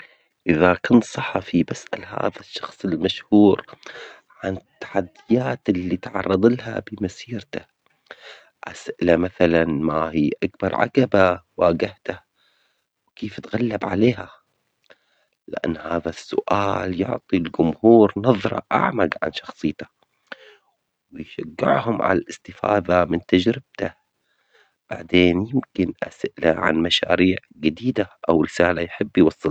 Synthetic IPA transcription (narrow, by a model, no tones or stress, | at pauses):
ʔɪðakʊnsˤɑħɑfibasʔa̰lha̰ːðaʃːɑxsˤɪlmaʃhuːɾ | ʕanɪt̪ːḁħad̪ːɪjaːt̪ɪlːit̪ʕɑ̰rˤːɑd̪ˤɪlha̰bɪmasiːɾt̪a | ʔasʔɪlamaθalanmahiːʔak̚bɑɾˤʕa̰kabawaːɡɪht̪a | wkeːft̪ɣalːabʕa̰leːɦa | lɪʔa̰nːhaːðasːʊ̰ʔaːljʊʕt̪ˤilɡʊmhuːɾnɑðˤɾˤɑ̰ʔa̰ʕmaɡʕa̰nʃɑxsˤɨjːt̪ḁ | wɪjʃaɡːɪ̰ʕhʊmʕa̰lalʔɪst̪ɪfa̰ːðamɪnt̪ad͡ʒɾɪb̥̚t̪a | b̥aʕd̪eːnjɪmkɪnʔasʔla̰ʕa̰nmaʃa̰ːɾiːʕ | ɡɪd̪iːd̪aʔawɾɪsaːlajħɪbːjwɑsˤːɨl